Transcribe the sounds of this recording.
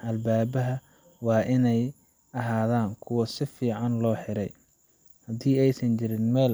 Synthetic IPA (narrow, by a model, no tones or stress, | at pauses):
ʔɐlbaːβɐɦɐ | wɑːʔɪnɛj | ɐɦaːðaːŋkʰʊwɐsɪfiːʕɑnlɔːħɪɾɛ̰j | hɐðiːɛjsɐnt͡ʃɪɾɪnmɛːl